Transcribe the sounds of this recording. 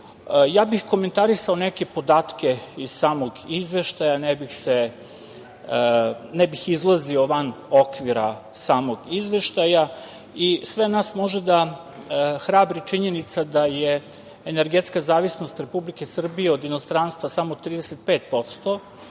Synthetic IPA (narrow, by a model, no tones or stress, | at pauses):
jaːbixko̞ment̪aɾisao̞neke̞po̞d̪aːt̪ke̞iz̥saːmoɡizʋe̞ʃt̪ajanɛbixse | nɛbixizlˠazio̞ʋanokʋiɾa | saːmo̞ɡizʋe̞ʃt̪aja | isʋenaːsmo̞ʒed̪a | xɾaːbɾit͡ʃiɲe̞nit̪sad̪ajeː | neɾɡet̪skazaːʋisnost̪ɾe̞publike̞sr̩bijeod̪ino̞st̪ɾanst̪ʋasamot̪ɾiːd̪eset̪̚peːt̪po̞t̪st̪o